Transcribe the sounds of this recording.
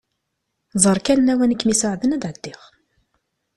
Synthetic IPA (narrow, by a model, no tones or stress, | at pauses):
zˤəɾˤkænnæwænəkːmisəʕðənæd̪ʕəd̪ːɪʁ